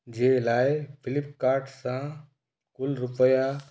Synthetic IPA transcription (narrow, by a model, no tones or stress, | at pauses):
d͡ʒeːlaːepʰɪlɪp̚kaːɾʈsãː | kʊlɾʊpəja